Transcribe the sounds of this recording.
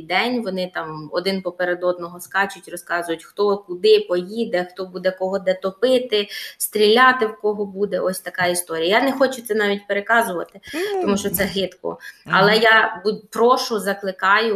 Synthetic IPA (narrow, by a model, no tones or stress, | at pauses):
d̪ɛnʲʋɔnɪt̪ɑmɔ̰d̪ɪnpɔpeɾed̪ɔd̪̚nɔɦɔskɑt͡ʃʊtʲrɔskɑzʊjʊtʲxt̪ɔkʊd̪ɪpɔjid̪ɛxt̪ɔbud̪ɛkɔɦɔd̪ɛt̪ɔpɪt̪ɪst̪ʲɾʲilʲɑt̪ɪwkɔɦɔbud̪ɛʔɔsʲt̪ɐkɑist̪ɔɾʲijɐjanɛxɔt͡ʃʊt̪sɛnɑʋʲitʲpeɾekɑzʊʋɐ̰t̪ɪt̪ɔmuʃt͡ʃɔt̪sɛɦɪt̪kɔ̰ɐ̰lˠɛjabupɾɔʃʊzɐklˠɪkɑjʊ